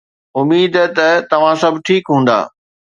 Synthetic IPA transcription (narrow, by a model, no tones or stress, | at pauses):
ʊmiːd̪t̪ɐt̪ɐʋ̤ãsɐbʱʈʰiːkɦũːn̆d̪a̰ː